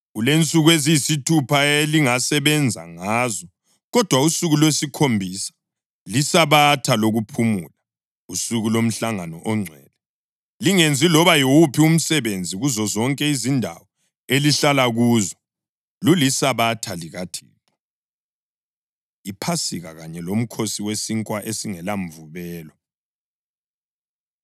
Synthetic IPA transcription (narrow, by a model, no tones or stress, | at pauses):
ɣulent͡sʼuɣwezijisitʰupʰaeliŋasɛβɛnd͡zʱa̰ŋazɔ | ɣɔd̥ʱwausuɣulwesikʰombʱisḁ | lisaβatʰaloɣupʰumṵːla | usuɣulom̩ɬaŋanɔʔɔŋ͡ǀʱɛ̰lɛ | liŋend͡zʱilɔβajiwupʰium̩sɛβend͡zʱiɣuzɔzɔŋkʼɛizindʱa̰wɔ | eliɬalaɣuːzɔ | lulisaβatʰaliɣatʰḭːǁɔ | ipʰasiɣaɣaɲɛlom̩kʰosiwesiŋkʼwaʔesiŋɛlaɱvuβɛːlɔ